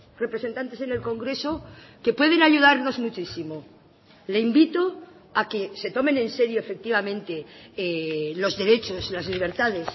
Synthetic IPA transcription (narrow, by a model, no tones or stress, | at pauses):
re̞pɾese̞nt̪ant̪ese̞ne̞lko̞ŋɡɾe̞so̞ | ke̞pwe̞ð̞e̞naʝuð̞aɾno̞zmut͡ʃisimo | le̞imbit̪o̞ | ake̞se̞t̪o̞mẽ̞nẽ̞nse̞ɾjoefe̞k̚t̪iβ̞amẽ̞nt̪e̞elo̞zðe̞ɾe̞t͡ʃo̞slazliβ̞e̞ɾt̪að̞e̞s